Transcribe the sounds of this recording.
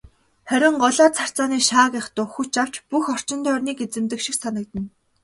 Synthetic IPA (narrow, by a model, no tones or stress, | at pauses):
χæɾʲɪ̆ɴɢɔɮaːt͡sʰar̥t͡saːniːʃaːkɪχt̪ʊːxut͡ɕaw̥t͡ɕpuxɔr̥t͡ɕɪ̆nt̪œːrniːket͡sɘ̆mt̪ɘ̆kʃĭksanə̆k̚t̪ɘ̆n